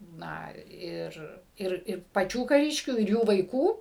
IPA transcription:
ˈnɐ ɪr ˈɪr ɪr pɐˈt͡ʃʲuː kɐˈrʲɪʃʲkʲuː ɪr ˈjuː ʋɐɪˈkuː

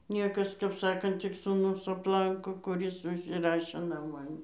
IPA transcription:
ˈnʲiɛkɐs kɐp ˈsɑːkɐnt tʲɪk suːˈnʊs ɐpˈlˠɐŋkoː kʊˈrʲɪs ʊʃʲsʲɪˈrɑːʃʲeː nɐˈmɐn

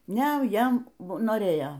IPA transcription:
ˈnʲɛ ˈjɛm noːˈrʲeːjoː

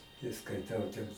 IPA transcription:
tɐɪ skɐɪˈtɐʊ tʲɛn

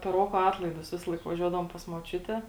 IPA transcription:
pʲɛr ˈroːkoː ˈɑːtlˠɐɪdʊs ˈʋʲɪsɐlˠɐɪk ʋɐˈʒʲuɔdɐʋoːm pɐs moːˈt͡ʃʲʊtʲɛ

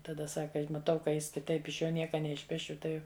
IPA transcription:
tɐˈdɐ ˈsɑːkɐ mɐˈtɐʊ kɐ ˈjɪs kʲɪˈtɐɪp ɪʃ ˈjoː ˈnʲiɛkɐ nʲɛɪʃʲˈpʲæːʃʲʊ ˈtɐɪ

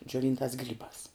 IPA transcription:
d͡ʒʲoːˈʋʲiːntɑːs ˈɡrʲiːbɑːs

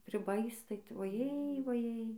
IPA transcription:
pʲrʲɪˈbɐɪs tɐɪ tʊ ʋɐˈjeːj ʋɐˈjeːj

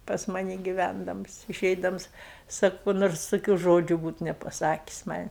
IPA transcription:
pɐs ˈmɑːnʲɪ ɡʲɪˈʋʲændɐms ɪˈʃʲɛɪdɐms ˈsɑːkʊ kʊ ˈnoːrs toːˈkʲuː ˈʒoːd͡ʒʲʊ ˈbuːt nʲɛpɐˈsɑːkʲɪs mɐnʲ

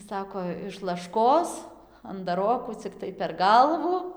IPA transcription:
ˈsɑːkoː ɪʃ lˠɐʃˈkoːs ɐndɐˈroːkuː t͡sʲɪkˈtɐɪ pʲɛr ˈɡɐlˠʋʊ

